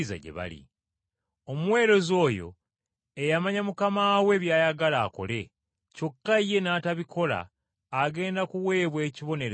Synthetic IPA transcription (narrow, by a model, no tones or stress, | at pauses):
za̰ɟḛβa̰lḭ | o̞muwe̞ːɾo̞zo̞ːjo̞̰ | ejamaɲamukamaːwe̞ːβjaːjaɡalaːko̞̰le̞ | co̞kːaije̞naːtaβikʰo̞la̰ː | ɡe̞ːndakuwe̞ːβwe̞ːciβo̞neɾ